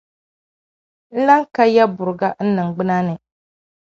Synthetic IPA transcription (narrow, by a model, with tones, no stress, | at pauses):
n̩˦la˦ŋ˦ka˦ja˦bʊ˨ɾɨ˨ɡa˦n̩˦nɨ˨ŋ˨ɡ͡bɨ˦na˦nɨ˨